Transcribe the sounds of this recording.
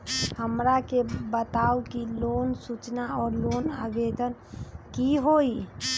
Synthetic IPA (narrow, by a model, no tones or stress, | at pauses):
həmɾakebət̪aukilonsut͡ʃnaɔːɾlonabed̪ənkiɦoi